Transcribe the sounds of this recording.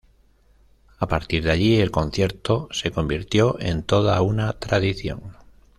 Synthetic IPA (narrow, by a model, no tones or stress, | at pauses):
apaɾt̪iɾðaʎie̞lko̞n̟θje̞ɾt̪o̞se̞ko̞mbiɾt̪jo̞ʔe̞nt̪o̞ð̞aunat̪ɾaðiθjo̞̰ŋ